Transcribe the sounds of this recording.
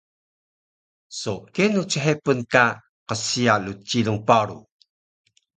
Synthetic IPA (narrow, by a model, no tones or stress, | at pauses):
sokenut͡səħepənka | qəsialut͡ɕiluŋpaɾṵ